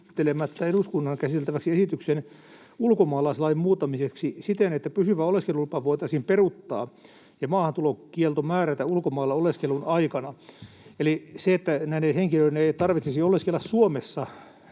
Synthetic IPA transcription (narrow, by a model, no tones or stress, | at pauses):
t̪ːelemæt̪ːæeduskunːɑnkæsit̪elt̪æʋæksiesit̪yksen | ulkomɑːlɑslɑimmuːt̪ːɑmiseksisit̪enet̪ːæpysyʋæoleskelulpɑʋoit̪ɑsimperut̪ːɑ̰ː | jɑmɑːhɑnt̪ulokielt̪omæːræt̪æulkomɑːlːɑoleskelunɑikɑnɑ | eliseet̪ːænæineheŋkiløineeit̪ɑrʋit̪sesioleskelːæssuomesːɑ